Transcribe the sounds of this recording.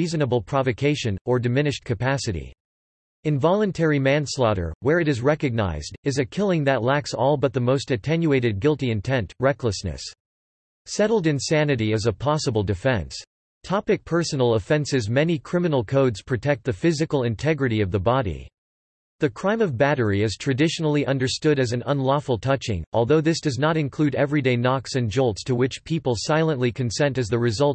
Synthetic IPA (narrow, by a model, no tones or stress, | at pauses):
izɨnəbl̩ˠpʰɹ̥ɑvɨkʰeɪʃɨ̃nə˞dɨmɪ̃nɨʃ̚kʰɨpʰæsɨɾḭ | ɨ̃ɱvɑlˠə̃ntʰɛɹimæ̃nslɑɾə̰˞wə˞ɨɾɨzɹɛkɨɡ̚na̰ɪzdɨzɨkʰɪlˠɪ̃ŋðɨtˡlæksɔlˠbʌt̪̚ðəmoʊstɨtʰɛ̃njueɪɾɨd̚ɡɪlˠtiɨ̃ntʰɛ̃ntɹɛkləsnɨ̰s | sɛɾl̩ˠdɨ̃nsænɨɾiɨzəpʰɑsəbl̩ˠdɨfɛ̰̃ns | tʰɑpɨk̚pʰɜ˞sn̩l̩ˠəfɛ̃nsɨzmɛnikʰɹ̥ɪ̃mɨnl̩ˠkʰoʊdz̥pʰɹ̥ɨtʰɛk̚t̪̚ðɨfɪzɨkl̩ˠɨ̃ntʰɛɡɹɨɾiʌvðəbɑɾḭ | ðɨkʰɹ̥ãɪ̃mʌvbæɾə˞iɨz̥tʰɹ̥ɨdɪʃnl̩ˠiʔʌ̃ndə˞stʊɾɨzɨ̃nə̃nlɔfl̩ˠtʰʌt͡ʃɪ̰̃ŋʔɔlˠðoʊðɪsd̥ʌznəɾɨ̃nkʰl̥ʉɾɛvɹideɪnɑksɨ̃nd͡ʒolˠtstʰəwɪt͡ʃpʰipl̩ˠsaɪlˠə̃nʔlikʰɨ̃n̩sɛ̃ntɨzðɨɹɨzʌlˠt̚